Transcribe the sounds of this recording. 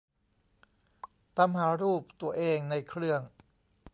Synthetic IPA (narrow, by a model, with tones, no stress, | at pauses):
t̪a˧˥mɦaː˩˦ɾuː˥˩p̚t̪u˧əʔeː˧ŋna˧jkʰɾɯ˥˩əŋ